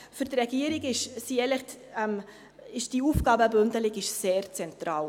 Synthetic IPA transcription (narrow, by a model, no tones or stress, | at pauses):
fʏɾtɾɛɡiəɾɪɡɪʃsiɛlɪχt | ɛm | ɪʃd̥iufɡ̥ɑːbəbɵndəlɪɡɪʃseːɾt͡sɛnt̪ɾɑːl